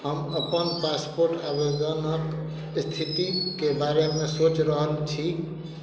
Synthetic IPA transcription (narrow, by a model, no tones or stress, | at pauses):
ɦəməpənpaːspoɾʈabəd̪ənək | st̪ʰit̪ikebaːɾemẽsoːt͡ʃɾəɦəlt͡ʃʰi